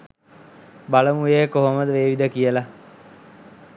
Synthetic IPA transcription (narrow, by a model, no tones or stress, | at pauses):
baləmujekoɦoməd̪əʋeːʋid̪əkijəla